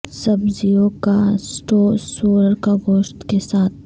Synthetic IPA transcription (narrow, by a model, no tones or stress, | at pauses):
sɐbzijõkasʈoːsoːɾəɾkaɡoːʃt̪kesaːt̪̚ʰ